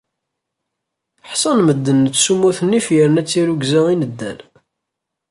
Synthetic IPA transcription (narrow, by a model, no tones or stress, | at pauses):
ħsˤɑnməd̪ːənːət͡sːsumːuθənːifjəɾnæt͡sːiɾuɡzæʁinəd̪ːæ̰l